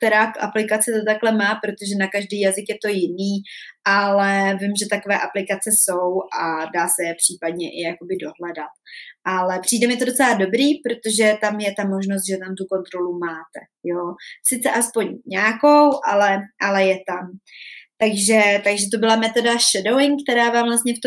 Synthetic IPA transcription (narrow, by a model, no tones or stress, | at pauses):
t̪ɛɾakʔa̰plɪkat͡sɛt̪ot̪aklɛmaːpɾo̞t̪o̞ʒɛnakaʒdiːjazɪkjɛt̪o̞jɪniːʔalɛvɪmʒɛt̪ako̞vɛːʔaplɪkat͡sɛso̞wʔadaːsɛjɛpr̥iːpadɲɛʔɪjako̞bɪdo̞ɦlɛdat̪̚ʔalɛpr̥iːdɛmɪɛt̪o̞do̞t͡sɛlado̞bɾiːpɾo̞t̪oʒɛt̪amjɛt̪amo̞ʒnos̬t̪̚ʒɛt̪amt̪uko̞nt̪ɾo̞lumaːt̪ɛ̰ | josɪt͡sɛʔaspo̞ɲɲaːko̞wʔalɛʔalɛjɛt̪amt̪aɡʒɛt̪aɡʒɛt̪̬o̞bɪlamɛt̪o̞daʃɛdowɪŋkt̪ɛɾaːvaːmvlast̪ɲɛft̪